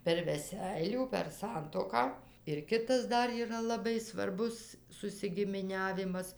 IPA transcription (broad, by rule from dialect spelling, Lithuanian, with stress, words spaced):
pʲɛr ʋʲɛˈsʲɛɪlʲuː pʲɛr ˈsɐntuɔkɑː ɪr ˈkʲɪtɐs ˈdɐr iːˈrɐ lˠɐˈbɐɪ sʋɐrˈbʊs sʊsʲɪɡʲɪmʲɪˈnʲæːʋʲɪmɐs